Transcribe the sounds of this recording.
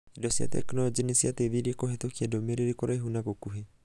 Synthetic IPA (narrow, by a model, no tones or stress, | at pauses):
dɔsia̰t̪ḛknɔɾd͡ʒinisiat̪eβiɾikɔɦet̪ɔkʰiadɔmeɾeɾikɔɾajɦunakokuɦe